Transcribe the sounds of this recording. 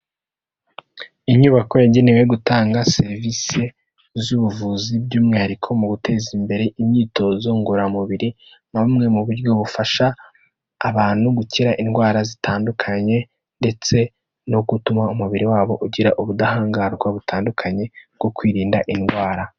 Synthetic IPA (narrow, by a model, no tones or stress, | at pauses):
iɲuβakojaɟe̞newe̞ɡutaːŋɡase̞ɾvise̞ | zuβuvuːzibɟuːmŋiaɾikʰo̞muɡutʰe̞ːzimbe̞ɾe̞ʔiɲɲiːto̞zoŋɡuɾamuβiɾi | mamŋe̞muβuɾɟo̞βufaʃaː | βaːn̥huɡuciɾaʔinɡwaːɾazitʰaːndukʰaɲe̞ | nde̞t͡se̞ | no̞ɡutumaumuβiɾiwaːβo̞ʔuɟiɾaʔuβudahaːŋɡaːɾɡwaβutʰaːndukʰaɲe̞bɡ̥o̞kwiːɾiːndaʔinɡwaːɾa